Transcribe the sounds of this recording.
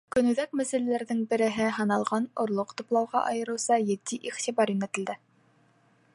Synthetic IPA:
kɵ̆nʉðækmæsɘ̆lælæɾðɘŋbɘ̆ɾɘ̆ɦɘɦɤ̆nɑlˠʁɑnŏɾlˠoqt̪ŭplˠɑwʁɑʔɑjɤ̆ɾɤ̆wsɑjɘ̆t̪ːiʔiχt̪ibɑɾinæt̪ɘ̆ld̪ɘ

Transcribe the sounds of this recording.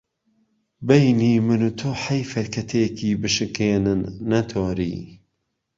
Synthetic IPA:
bɐjniːmɨnut̪ʰoːħɐjfɐɾkʰɐt̪ʰekʰiːbɨʃɨkeːnɨnːɐt̪ʰoːɾḭː

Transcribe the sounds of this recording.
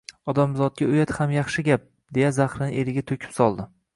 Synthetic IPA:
ɒd̪amzɒt̪̚ɡʲaʊjat̪hamjɑχʃɪɡʲap̚ | d̪e̞jazaχɾɪnɪʔeɾɪɡʲat̪ʰokʰʲɪ̥psɒlˠd̪ɪ

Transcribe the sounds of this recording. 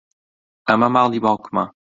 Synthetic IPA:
amamaʁlibãkma

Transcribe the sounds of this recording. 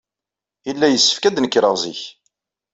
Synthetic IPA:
jəlːæjəsːə̥fkæd̪nəkːɾəʁzḭç

